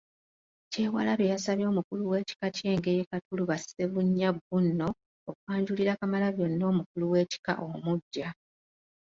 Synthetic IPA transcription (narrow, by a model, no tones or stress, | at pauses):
ce̞ːwalaβejasaβjo̞ːmukuluwe̞ːci̥kace̞ːŋɡejekatuluβaseβuɲːabːunːo̞ː | kuaːɲɟuliɾakamalaβjo̞nːo̞ːmukuluwe̞ːci̥ka̰ʔomuɟːa